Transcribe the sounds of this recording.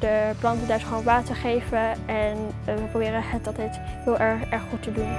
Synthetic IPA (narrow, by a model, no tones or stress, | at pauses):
d̥əplɑntədaɹsχʋonʋaːtəχejvəɛn | ʋəprobɪːrənɦətɑlˠtɛjtɦɪːlˠʔɛɹɛɹχːutədun